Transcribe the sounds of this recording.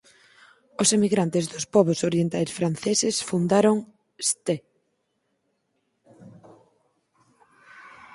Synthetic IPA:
ʊsemiɣɾant̪ɪzðʊspɔβʊsoɾjent̪ajsfɾan̟θesɪsfund̪aɾoŋ | st̪e

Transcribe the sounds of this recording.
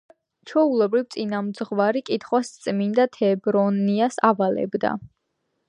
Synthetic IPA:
t͡ʃʰɔulɛbɾivt̪sʼinamd̪zʁvaɾikʼit̪ʰχwast̪sʼmind̪at̪ʰɛbɾɔniasavalɛ̰bd̪a̰

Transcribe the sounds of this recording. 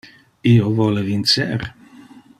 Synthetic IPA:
iovɔlevint͡sḛɾ

